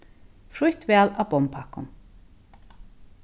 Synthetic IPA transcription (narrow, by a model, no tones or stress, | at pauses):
fɾuht̪vɛːlabɔmpʰakʊ̰m